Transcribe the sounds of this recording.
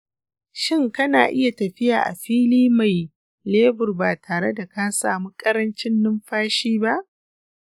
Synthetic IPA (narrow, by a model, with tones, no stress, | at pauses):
ʃɪ˦ŋkɐ˦na̰ː˨ʔɪ˦ja˨tɐ˨ɸɪ˦jaː˨ʔa̰˨ɸiː˦liː˦ma˨j | leː˦bʊ˨rbaː˨tʰaː˨ɽe˦da˨ka˦sa̰ː˨mu˦kʼɐ˦ɾɐ˦nt͡ʃɪ˦nːʊ˦mɸaː˦ʃiː˦ba˦ʔ